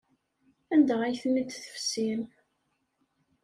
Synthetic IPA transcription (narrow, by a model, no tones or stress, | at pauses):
ænd̪əʁæjθənːid̪θə̥fsin